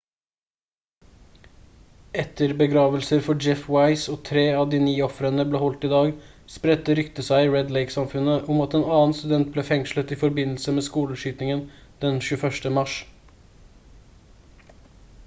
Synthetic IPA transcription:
ɛt̪ʰəɾbəɡɾɑːʋəlsəɾfɔd͡ʒɛfwɑɪsoːt̪ʰɾeːɑd̪iːniːɔfɾənəbleːhɔlt̪ɪːd̪ɑːɡ | spɾɛt̪ːəɾʏkt̪əsæɪɹɛd̪leɪksɑmfʉnəʔʊmɑt̪eːnɑːnst̪ʉd̪ɛnt̪̚bleːfɛŋʃlət̪iːfɔɾbɪnl̩səmeːskuːləʂyːt̪nɪŋənd̪̥ɛnʃʉəfœʂʈəmɑʃ

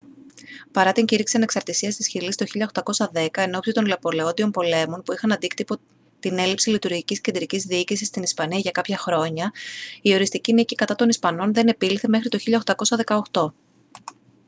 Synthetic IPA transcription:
pɐɾɐt̪iɲciɾiksiɐne̞ksɐɾt̪isiɐst̪isçilist̪o̞çiʎɐoxt̪ɐko̞sɐðe̞kɐe̞no̞psit̪o̞nlɐpo̞leo̞nd̪io̞mpo̞le̞mo̞npuixɐnɐnd̪ikt̪ipo̞ | t̪ine̞lipsilit̪uɾʝicisce̞nd̪ɾicizðiicisist̪inispɐniɐʝɐkɐpçɐxɾo̞ɲɐio̞ɾist̪icinicikɐt̪ɐt̪o̞nispɐno̞nðe̞ne̞piliθe̞me̞xɾit̪o̞çiʎɐoxt̪ɐko̞sɐðe̞kɐo̞xt̪o̞

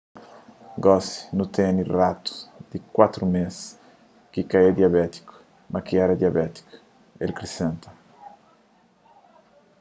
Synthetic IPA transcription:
ɡɔsi̥nũt̪ẽnirat̪u̥d̪̥ɪkwat̪ɾumes | kikaed̪jabɛt̪i̥kʊ̥ | mɐkiɛɾɐd̪jiabɛt̪i̥kʊ̥ | elkɾisẽnt̪ɐ̥

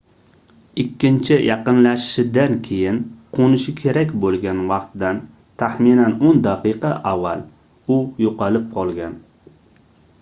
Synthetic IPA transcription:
ɪkʲːɪnt͡ʃʰɪjʔɑqɨnlaʃɪ̥ʃɪd̪ankʲʰe̞jɪnqʰonɪʃɪkʲʰe̞ɾakʲbolˠɡʲanvɑqt̪d̪an | t̪ʰaχminanond̪aqɨqʰɑʔavːal | ʊjoqɑlɪp̚qʰɒlˠɡʲan

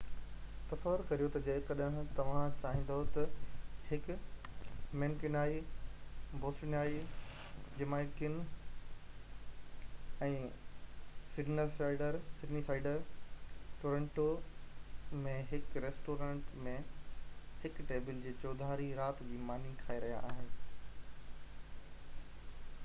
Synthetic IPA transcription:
t̪ɐsəʋəɾkɐɾijot̪ɐd͡ʑɐɪkɐɗɦt̪ɐʋ̤ãt͡ɕaːɦĩn̆d̪aɦot̪ɐhɪk | meːnkɪnaːi | boːsɪnjaːi | d͡ʑɪmaːɪkɪn | ɛ̃ː | sɪɖnəɾsaːɪɖəɾsɪɖnisaːɪɖəɾ | ʈoːɾə̃ɳʈo | mẽɦɪkɾeːsʈoːɾãːɳʈmẽ | hɪkʈeːbɪld͡ʑeːt͡ɕɔːd̪ʱaːɾiɾaːt̪d͡ʑiːmaːn̤ikʰaːeɾɐɦija̰ʔaːɦɪnɪ

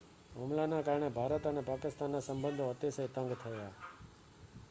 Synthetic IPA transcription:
ɦomlanãkaːɾɳebʱaːɾət̪ənepaːkɪst̪anːasəmbə̃nd̪ʱoət̪esəit̪ə̃ŋɡt̪ʰəja

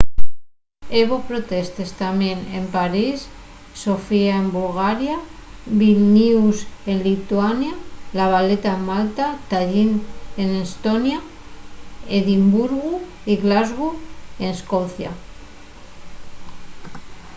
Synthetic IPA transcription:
eβopɾo̞t̪e̞st̪e̞st̪amje̞ne̞mpaɾis | so̞fiaembulɣaɾjaβilniuse̞nlit̪uwanjalaβ̞ale̞t̪aemːalt̪at̪aʎinenest̪o̞nja | eðimbuɾɣu | iɣlazɣue̞neskoθja̰

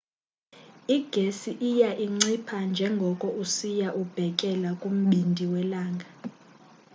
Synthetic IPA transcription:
iɡ̥ʱesiʔijaʔiŋ͡ǀipʰand͡ʒʱɛŋɡʱɔkʼɔʔusijaʔub̥ʱɛkʼɛlakʼum̩ɓindʱiwɛlaːŋɡʱa

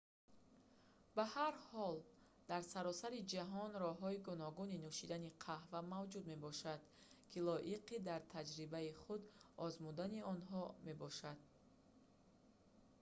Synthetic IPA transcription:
bahaɾhɔl | d̪aɾsaɾɔsaɾid͡ʒaɦɔnɾɔɦɔiɡunɔɡuninuʃid̪aniqʰahvamavd͡ʒud̪me̞bɔʃad̪̥ | kʰilɔʔiqʰid̪aɾt̪ʰad͡ʒɾibaiχud̪ɔzmud̪aniɔnɦɔme̞bɔʃad̪̥̚

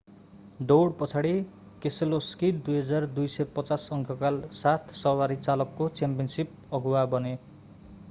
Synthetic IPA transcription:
d̪owɽpʌt͡sʰaɽi | kesʌloskidd̪ujɦʌd͡zard̪ujsʌjpʌt͡sasʌŋkʰʌkalsat̪ʰsʌwaɾit͡salʌkːot͡sampiʌnsip̚ | ʌɡʱuwabʌne

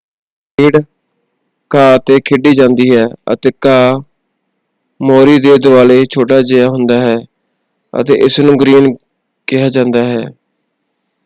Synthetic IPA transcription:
ɪːɽ | kaːt̪eːkʰɪɖiːd͡ʒãːnd̪iːɦɛːə̰t̪eːkaː | moːɾiːd̪eːd̪ʊʋaːleːt͡ʃʰoːʈaːd͡ʒɪjaːɦʊnd̪aːɦɛː | ə̰t̪ḛːʔɪsnũːɡɾiːn | kɪɦaːd͡ʒãːnd̪aːɦɛː

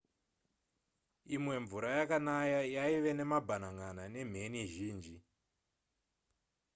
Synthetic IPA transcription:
imwe̞ɱvuɾajakanajajaiʋe̞ne̞mabʱanaŋanane̞m̤e̞niʒiːnd͡ʒi

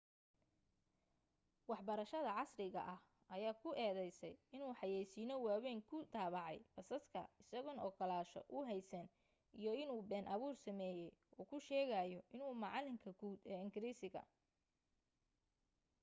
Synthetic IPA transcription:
wɑħbɐɾɐʃɐðɐʕɑsrɪɣɐ̰ʔɐh | ɐjaːkʰʊʔɛːðɛjsɛjɪnuːħɑjɛjsiːnɔwaːwɛːŋkʰʊd̪aːβɑʕɑ̰jfɐsɐskʰɐ̰ɪsɐɣʊnɔːkʰɐlaːʃɔ̰ʔʊɦɛjsɐn | ijɔɪnuːbɛːnʔɐβuːrsɐmɛːjɛjʔɔːkʰʊʃɛːɣajɔʔɪnuːmɑʕɑlɪŋkʰɐɡuːd̪ɛːɪŋɡɪɾiːsɪɣɐ̰

